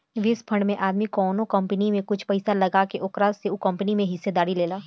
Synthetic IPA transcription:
ʋɪspʰɐɳɖmẽʔaːd̪mikɔːnõkɐ̃mpənimẽkʊt͡ʃʰpɐɪsalɐɡakeʔʊkɾaːseukɐ̃mpənimẽɦɪsːed̪aːɾileːlaː

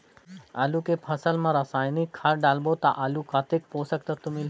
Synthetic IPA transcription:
alukepʰəsəlmãɾəsaːjnikʰːaɾɖalbot̪aʔalukat̪ek̚poːsəkt̪ɐt̪umil

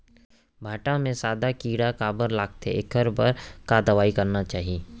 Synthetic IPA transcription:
bʱaːʈamẽsaːd̪akiːɽakaːbəɾlaːk̚t̪ʰḛɪkəɾbɐɾkaːd̪əʋaːikɐɾnat͡ʃaːɦieː

